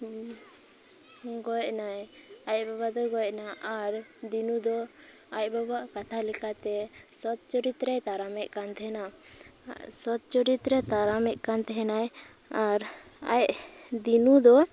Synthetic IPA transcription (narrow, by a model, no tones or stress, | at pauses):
ɡɔjɛʔnajajbabad̪ɔɡɔjɛʔnaʔaɾd̪inud̪ɔ | ajbabaʔkat̪ʰalikat̪ɛsɔt̪̚t͡ʃɔɾit̪ɾɛt̪aɾamɛʔkant̪ʰɛɛna | sɔt̪̚t͡ʃɔɾit̪ɾɛt̪aɾamɛʔ̚kant̪ɛɦɛnaj | aɾ | a̰jd̪inud̪ɔ